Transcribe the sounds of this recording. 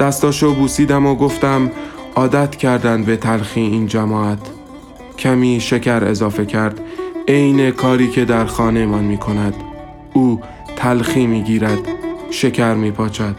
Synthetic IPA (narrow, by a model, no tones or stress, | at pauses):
d̪̥æst̪ɒːʃobuːsiːd̪æmoɡo̞ft̪æm | ɒːd̪æt̪ʰcʰæɾd̪ænd̪be̞t̪ʰælxiːiːnd͡ʒæmɒːæt̪ʰ | cʰæmiːʃe̞cʰæɾe̞̰zɒːfe̞cʰæɾd̪̥ejne̞kʰɒːɾiːcʰe̞d̪æɾxɒːne̞mɒnmiːkʰo̞næd̪̥ | uː | t̪ʰælxiːmiːɟiːɾæd̪̥ʃe̞cʰæɾmiːpʰɒːt͡ʃʰæd̪̥